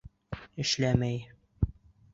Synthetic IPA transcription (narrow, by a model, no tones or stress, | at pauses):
ɘ̆ʃlæmæj